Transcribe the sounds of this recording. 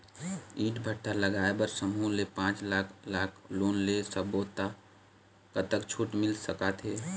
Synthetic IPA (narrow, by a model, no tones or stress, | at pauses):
iːʈbʱəʈʰːaləɡaːebəɾsəmulepãːt͡ʃlaːkʰlaːkʰloːnlesəboːt̪ːa | kət̪əkt͡ʃʰuːʈmɪlsəkat̪ʰɦeː